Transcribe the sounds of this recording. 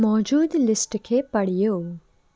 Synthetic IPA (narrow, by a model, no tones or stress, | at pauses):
mɔːd͡ʒuːd̪lɪsʈkʰepɐɽ̤ijoː